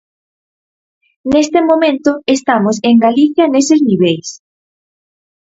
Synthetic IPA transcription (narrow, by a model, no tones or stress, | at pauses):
nest̪emomẽnt̪oest̪amoseŋɡaliθjanesezniβ̞ejs